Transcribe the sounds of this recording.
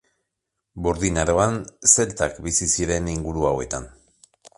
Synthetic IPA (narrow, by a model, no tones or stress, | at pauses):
boɾðinaɾo̞anse̞lt̪akbisisiɾe̞niŋɡuɾuawe̞t̪an